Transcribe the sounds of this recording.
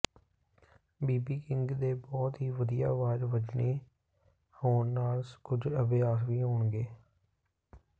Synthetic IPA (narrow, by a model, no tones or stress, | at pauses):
biːbiːkɪ̃ŋɡd̪eːbɔːt̪ɦiːʋəd̪ija̰ːʋaːd͡ʒʋəd͡ʒneː | hoːnnaːlskʊd͡ʒəbeaːkʋiːɦoːɳɡeː